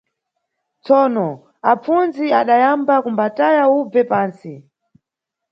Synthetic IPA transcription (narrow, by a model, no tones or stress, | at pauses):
t͡sɔːnɔ | ap͡funziaɗajambakumbatajaub͡vɛpaːnsi